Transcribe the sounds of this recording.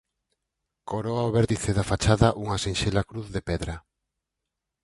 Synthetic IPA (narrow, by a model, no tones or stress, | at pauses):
koɾoaoβɛɾt̪iθeðafat͡ʃaðaʔuŋasenʃelakɾuθðepɛðɾɐ